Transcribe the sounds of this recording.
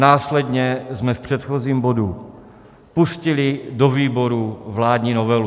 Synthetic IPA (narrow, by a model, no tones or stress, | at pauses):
naːslɛdɲɛzmɛfpr̥ɛt̪xoziːmbo̞du | puscɪlɪdoviːboɾuvlaːdɲiːnovɛlu